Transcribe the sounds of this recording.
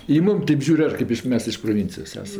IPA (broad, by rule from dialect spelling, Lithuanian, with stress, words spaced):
ɪ ˈmʊm ˈtʲeːp ˈʒʲuːrʲ ˈɐr ˈkɐɪp ɪʃ ˈmʲɛs ɪʃ proːˈʋʲɪnʲt͡sʲɪjoːs ˈæːsɐm